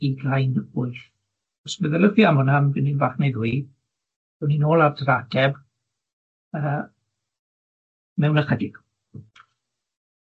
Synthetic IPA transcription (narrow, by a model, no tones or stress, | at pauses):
iɡlajnʊɨθ | ɔsməðɛləfjamʊnamvɪninvaχnejðwi | dɛwninoːlˠavdrad̥ɛb | əː | mɛwnəχədɪɡ̥